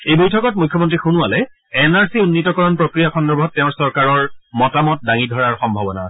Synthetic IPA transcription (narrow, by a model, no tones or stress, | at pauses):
ejbojtʰɔkɔt̚mujkʰːɔmɔntɹixunʊalɛ | ɛnaɹsiunːitɔkɔɹɔnpɹokɹijakʰɔndɔɹbʱɔtːɛʊ̃ɹsɔɹkaɹɔɹmɔtamɔt̚daŋidʱɔɹaɹxɔmbʱɔbɔna̰